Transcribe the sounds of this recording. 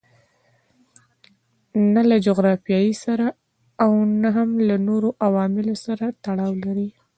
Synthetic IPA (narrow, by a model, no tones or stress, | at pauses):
nalad͡ʒoɣɾɑfjɑjisaɾaː | wnaɦamlanoɾoʔawɑmɪlosaɾat̪aɽɑwlaɾi